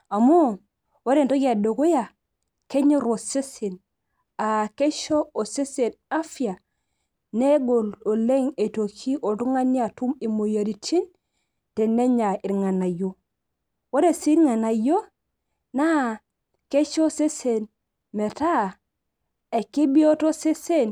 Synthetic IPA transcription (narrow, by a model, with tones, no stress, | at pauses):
a˨mo˦˨ | wo˦ɾe˨n˨to˦ka˨do˨ko˦ja˨ | ke˦ɲe˦ɾo˨se˦se˨n | a˨ke˦ʃo˦o˨se˦se˨na˦fi˦a˨ | ne˦ɡo˨lo˨le˦ŋe˨to˨kʰi˦ʔo˨tu˦ŋa˦ni˦a˨tu˦mi˨mo˨ja˨ɾi˨tʰi˦n | te˨ne˦ɲa˨i˨ɾŋa˨na˨jo˦ | wo˦ɾe˦˨si˦ɾŋa˨na˨jo˦ | na˦ | ke˦ʃo˦se˦se˨n | me˨ta˦˨ | e˨ki˦bi˦o˦to˦se˦se˦n